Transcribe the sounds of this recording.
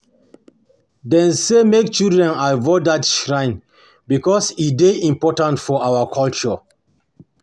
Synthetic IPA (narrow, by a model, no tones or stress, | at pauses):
dɛ̃nsemekt͡ʃildɹɛ̃naɪvɔdatʃɹãɪ̃n | bikɔsideʔĩmpɔtãntfɔawakʰɔlt͡ʃɔ